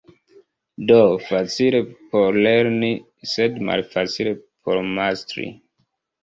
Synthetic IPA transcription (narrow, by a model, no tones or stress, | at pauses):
dofat͡silepoɾleɾni | sedma̰lfat͡sile̞pʰoɾmastɾḭ